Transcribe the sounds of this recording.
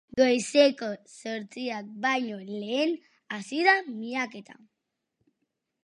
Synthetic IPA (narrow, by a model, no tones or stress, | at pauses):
ɡəjsekosəɾt͡siak̚bajɲoleen | asiðamiaket̪a̰